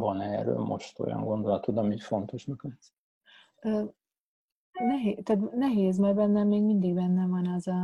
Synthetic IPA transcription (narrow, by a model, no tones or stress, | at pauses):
vɒnɛːrø̰ːlmʔoʃt̪o̰jɒ̰ŋɡo̞nd̪olɒt̪od̪ɒmitfo̞nt̪o̞ʃmøkøt̪s | øː | nɛɦeːt̪æːt̪nɛɦeːzmɛrbɛnːɛmːeːɡmind̪iɡbɛnːɛvɒnɒzɒ